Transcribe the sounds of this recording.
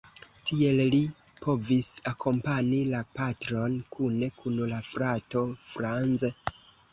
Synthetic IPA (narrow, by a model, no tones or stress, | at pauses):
tʰie̞lli | pʰo̞visakʰo̞mpanilapatɾo̞nkʰune̞kʰunlafɾato̞fɾanze